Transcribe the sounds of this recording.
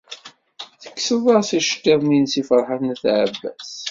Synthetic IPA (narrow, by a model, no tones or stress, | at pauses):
θə̥kːsəðˤɑʁsiʃə̥tːeðˤminsifəɾˤħaθnθʕabːæ̰s